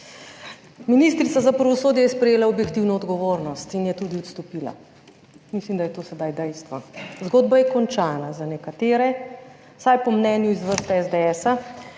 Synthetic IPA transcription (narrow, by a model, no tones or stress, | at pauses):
minist̪ɾit̪azapɾaʋɔsoːd̪jɛjɛspɾɛjeːlaɔbjɛkt̪iwnɔːd̪ɡɔʋoːɾnɔst̪injɛt̪ud̪iɔt̪st̪ɔpiːla̰ | mislimd̪ajɛt̪oːsɛd̪ajd̪ɛjst̪ʋazɡoːd̪bajɛkɔnt͡ʃanazanɛkat̪eːɾɛ | sajpɔmnɛnjuizʋəɾst̪ɛɛzd̪ɛɛːsa